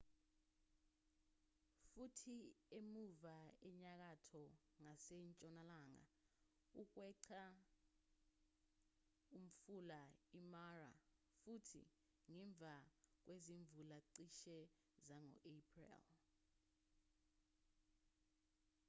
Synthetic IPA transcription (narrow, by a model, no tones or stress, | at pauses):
futʰiemuvaɛɲak̬atʰɔ | ŋasɛɲt͡ʃʼɔnalaːŋa̰ | uk̬wɛǀʰa | um̩fulaimara̰ | futʰḭ | ŋɛɱb̪vʱak̬weziɱbvʱulaǀiʃɛ | zaŋɔ̰ʔepʰʼrɛ̰l